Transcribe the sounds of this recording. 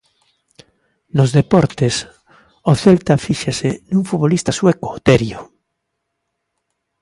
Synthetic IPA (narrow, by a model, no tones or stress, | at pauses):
nozðepɔɾt̪es | oθelt̪afiʃasenuŋfuβolist̪aswekoːt̪ɛɾjo